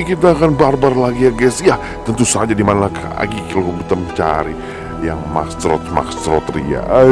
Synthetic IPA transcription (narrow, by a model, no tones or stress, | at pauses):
kit̪̬aːkanbarbarlaɡiaɡɛsjah | t̪ənt̪usad͡ʒadimanalakʰa̰ɡikalokəbut̪əmt͡ʃa̰ɾi | jaŋma̰kst̪ɾɔ̰t̪̚ma̰kst̪ɾɔt̪ɾḭa̰